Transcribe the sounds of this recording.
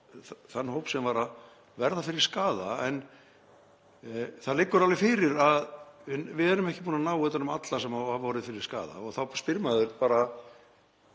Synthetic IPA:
θθanːhoːwpsɛmvaɾað | vɛɾðafɪɾɪɾ̥skaːðaɛn | θaðlɪkːʏɾalvɪfɪːɾɪɾaðɪvɪðɛɾʏmɛhcːɪpuːnanawɛt̪ːanʏmat̪lasɛmahavvɔːɾɪðfɪɾɪɾ̥ska̰ːða̰ɔɣθawspɪɾmaðʏɾpaːɾa

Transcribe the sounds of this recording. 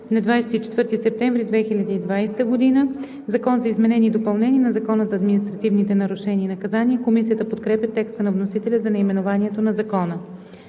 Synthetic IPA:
nɐd̪vajsɛt̪it͡ʃɛ̥t̪vɤɾt̪isɛp̚t̪ɛɱvɾid̪vɛxilʲɐd̪iid̪vajsɛt̪əɡod̪inə | zɐkɔnzɐizmɛnɛnid̪opɐlˠnɛniɛnɐzɐkɔnəzɐːd̪minist̪ɾɐt̪ivnit̪ɛnɐɾʊʃɛniːnɐkɐzaniəkomisijət̪əpot̪kɾɛpʲjət̪ɛkst̪ənɐvnosit̪ɛlʲəzɐnɛimɛnovaniɛt̪onɐzɐkɔnə

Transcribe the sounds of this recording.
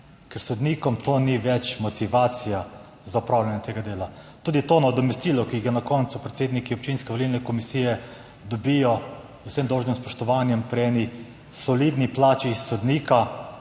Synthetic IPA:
kɛɾsɔd̪niːkɔmt̪oːniʋɛt͡ʃmɔt̪iʋaːt̪sija | zaupɾaːwlʲanjɛt̪eːɡad̪eːla | t̪uːd̪it̪onaɔd̪ɔmɛst̪iːlɔkiɡanakɔnt̪supɾɛt̪seːd̪nikiɔp̚t͡ʃinskɛʋɔlilnɛkɔmisijɛ | d̪ɔbijɔ | usemd̪ɔwʒnimspɔʃt̪ɔʋaːnjɛmpɾiɛːni | sɔliːd̪niplaːt͡ʃisɔd̪niːka

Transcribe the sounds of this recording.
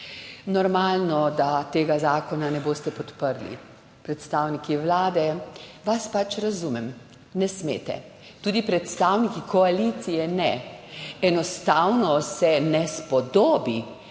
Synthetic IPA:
nɔɾmaːlnɔd̪at̪eːɡazaːkɔnanɛboːst̪ɛpɔt̪pəɾlḭ | pɾɛt̪st̪aːwnikiʋlaːd̪ɛʋaspat͡ʃɾazumɛm | nɛsmḛːt̪ɛ̰ | t̪uːd̪ipɾɛt̪st̪aːwnikikʰɔalit̪sijɛnɛ | ɛnɔst̪aːwnɔsɛnɛspɔd̪oːbi

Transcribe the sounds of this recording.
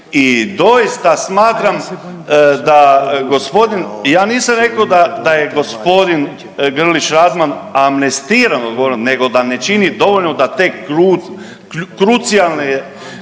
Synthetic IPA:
id̪o̞jist̪asmaːt̪ɾam | d̪aɡo̞spo̞d̪injaːniːsamɾe̞kaod̪ad̪ajeɡo̞spo̞d̪in | ɡr̩liʃɾad̪manamnest̪iːɾanoɡooɾimne̞ɡo̞d̪anet͡ʃinid̪o̞ʋoʎnod̪at̪ekɾu | kɾut̪sijalˠneje

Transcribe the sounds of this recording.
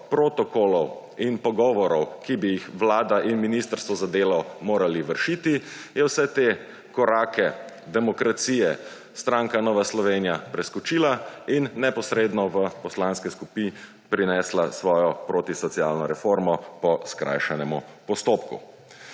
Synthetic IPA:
pɾoːt̪ɔkolɔw | inpɔɡɔːʋɔɾɔwkibijixʋlaːd̪aʔinminist̪əɾst̪ʋɔzad̪eːlɔmoːɾaliʋəɾʃiːt̪ijɛwsɛt̪eː | kɔɾaːkɛ | d̪ɛmɔkɾat̪siːjɛ | st̪ɾaːŋkanɔːʋaslɔʋeːnijapɾɛskɔt͡ʃiːlainːɛpɔsɾeːd̪nɔʋəpɔslanskɛskupi | pɾinɛslasʋɔːjɔpɾoːt̪isɔt̪siaːlnɔɾɛfoːɾmɔpɔskɾa̰jʃɛnɛmupɔst̪oːpkṵ

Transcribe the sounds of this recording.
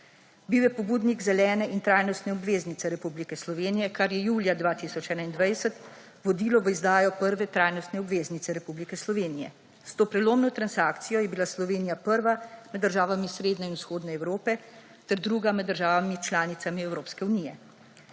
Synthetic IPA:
biwjɛpɔbuːd̪niɡzɛlɛːnɛʔint̪ɾaːjnɔst̪nɛɔbʋeːznit̪sɛɾɛpublikɛslɔʋeːnijɛkaɾjɛjuːljad̪ʋaːt̪isɔt͡ʃɛːnaind̪ʋajsət̪ | ʋɔd̪iːlɔʋəizd̪aːjɔpəɾʋɛt̪ɾajnɔst̪nɛɔbʋeːznit̪sɛɾɛpublikɛslɔʋeːnijɛ̰ | st̪oːpɾɛloːmnɔt̪ɾansaːkt̪sijɔjɛbilaslɔʋeːnijapəɾʋamɛd̪ːəɾʒaːʋamisɾeːd̪nɛinusxoːd̪nɛɛwɾoːpɛ | t̪ɛɾd̪ɾuːɡamɛd̪d̪ːəɾʒaːʋamit͡ʃlaːnit̪samiɛwɾoːpskɛuniːjɛ

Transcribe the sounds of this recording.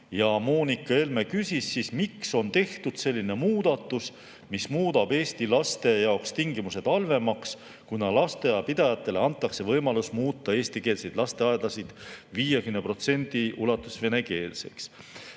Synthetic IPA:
jɑmoːnikːˑɑe̞lme̞kysʲisːismikso̞nt̪e̞ht̪ud̪̥se̞lʲːine̞muːd̪̥ɑt̪ːˑus | mismuːd̪̥ɑb̥e̞ːst̪ilɑst̪e̞jɑokst̪iŋɡimuse̞d̪ɑlve̞mɑks | kunɑlɑst̪e̞jɑpid̪̥ɑjɑt̪ːˑe̞le̞ɑnt̪ˑːɑkse̞vɤjmɑlusmuːt̪ːˑɑe̞ːst̪ikeːlse̞jd̪̥lɑst̪e̞ɑed̪lɑsid̪̥viːjekymnepro̞t̪se̞nd̪̥iulɑt̪ːˑusve̞ne̞ke̞ːlse̞̰ks

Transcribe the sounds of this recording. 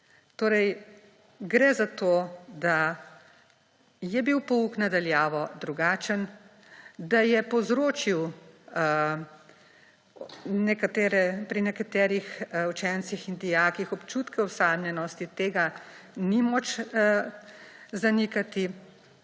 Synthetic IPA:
t̪oːɾɛj | ɡɾɛzat̪oːd̪a | jɛbiwpɔuknad̪aljaːʋɔd̪ɾuɡaːt͡ʃən | d̪ajɛpɔzɾoːt͡ʃiw | nɛkat̪ɛːɾɛpɾinɛkat̪ɛːɾixut͡ʃɛnsixind̪ijaːkixɔpt͡ʃuːt̪kɛwsaːd̪nʲɛnɔst̪it̪eːɡanimɔt͡ʃ | zanikat̪i

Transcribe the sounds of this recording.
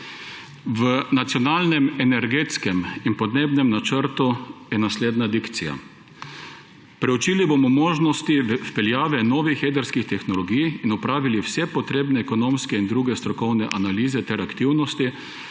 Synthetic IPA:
ʋənat̪sijɔnaːlnɛmɛnɛɾɡeːt̪skɛminpɔd̪neːbnɛmnat͡ʃəɾt̪ujɛnasleːd̪nad̪ikt̪sija̰ | pɾɛut͡ʃiːlibomɔmoːʒnɔst̪iwpɛljaːʋɛnɔːʋixjeːd̪ɛɾskixt̪ɛxnɔlɔɡijinɔpɾaːʋiliwsɛpɔt̪ɾeːbnɛɛkɔnoːmskɛind̪ɾuːɡɛst̪ɾɔkɔwnɛʔanaliːzɛt̪ɛɾakt̪iwnɔst̪i

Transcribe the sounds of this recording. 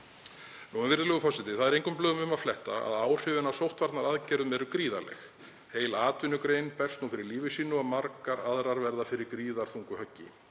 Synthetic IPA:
nuɛvɪɾðʏlœːɣʏfɔsɪt̪ɪθaðɛɾejŋkʏmplœːɣʏmʏmaðflɛht̪aa̰ðaːwr̥ɪvɪnːasowht̪vaɾt̪naɾaðcɛːɾðʏmɛɾʏkɾiːða̰lɛ̰x | heːjlaːt̪ʏnʏkɾeːjnpɛr̥st̪nufɪɾɪɾliːvɪsiːnʏaðmaɾkaɾaðɾaɾvɛɾðafɪɾɪɾkɾiːðaɾ̥θuŋkʏhœcːɪ

